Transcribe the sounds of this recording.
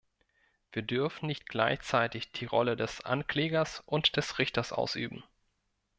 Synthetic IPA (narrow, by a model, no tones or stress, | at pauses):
v̥iːɐdʏɐfn̩nɪçt̚ɡ̥laɪçt͡saɪtɪçd̥iːʁɔlədɛsʔa̰nkl̥eːɡɐsʔʊntd̥ɛsʁɪçtɐsʔa̰ʊsʔy̰ːbm̩